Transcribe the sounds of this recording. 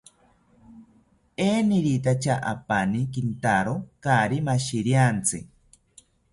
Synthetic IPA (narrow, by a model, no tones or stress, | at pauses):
eːniɾit̪at͡ʃʰaʔa̰panik̬int̪aɾokaɾimaʃiɾiant͡sɨ